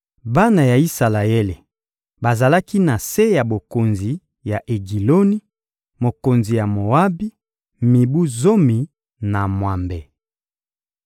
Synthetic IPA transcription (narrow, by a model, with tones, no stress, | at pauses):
ba˦na˨ja˨i˦sa˨la˨e˦le˨ | ba˨za˨la˦ki˦na˨se˦ja˨bo˨ko˨nzi˨ | ja˨ʔe˨ɡi˨lo˦ni˦ | mo˨ko˨nzi˨ja˨mo˨a˦bi˦ | mi˨bu˦zo˦mi˨ | na˨mwa˨mbe˨